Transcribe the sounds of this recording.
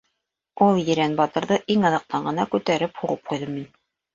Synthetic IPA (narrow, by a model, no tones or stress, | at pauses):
ulˠjɘ̆ɾænbɑt̪ɤ̆ɾðɤʔiŋɑðɑ̆q̚t̪ɑɴɢɤ̆nɑkʉt̪æɾɘphuʁɤp̚qujðɤmːin